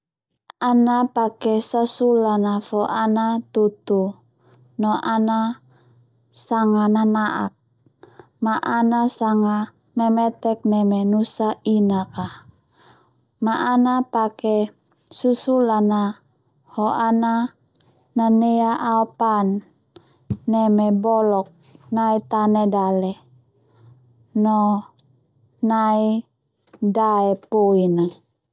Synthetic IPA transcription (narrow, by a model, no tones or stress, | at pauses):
anapakɛsasulanafɔʔanat̪ut̪u | nɔʔana | saŋananaʔa̰k̚ | maʔanasaŋa | mɛmɛt̪ɛk̚nɛmɛnusainaka | maʔːnapakɛ | susulana | hoʔana | naneaʔaopan | ɛmɛbɔlɔk̚ | nait̪anedalɛ | nɔ | nai | daɛpoina